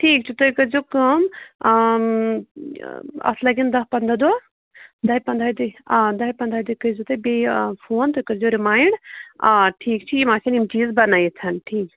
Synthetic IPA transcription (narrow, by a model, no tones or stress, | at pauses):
ʈʰiːkt͡ʃʰit̪ojkəɾd͡ʒokəm | ɐ̰slɐɡʲind̪ɐɦpɐnd̪ad̪ua | d̪ɐɦipɐnd̪ɾaːid̪ɨd̪ɐɦipɐnd̪ɾad̪ukəid͡ʒut̪ɨbefʰoːnt̪okəɾd͡ʒoɾimaːɪɳɖ | ʈʰiːkt͡ʃʰiimaːkʰinimt͡ʃiːzbɐnaːit͡sʰɐnʈʰiːk